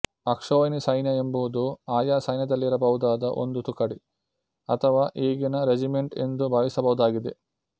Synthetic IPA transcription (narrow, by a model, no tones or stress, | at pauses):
ɐkʂoːjnisɐjnjɐembuʋud̪uaːjaːsɐjnjɐd̪ɐlːiɾɐbɐɦud̪aːd̪ɐʔo̰nd̪ut̪ukɐɽi | ɐt̪ʰɐʋaːʔeːɡinɐɾed͡ʒimeɳʈḛnd̪ubʱaːʋisɐbɐɦud̪aːɡid̪e